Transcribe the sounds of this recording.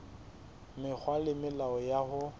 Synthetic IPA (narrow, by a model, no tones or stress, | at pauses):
mɪk͡xʰwalɪmɪlaɔjahʊ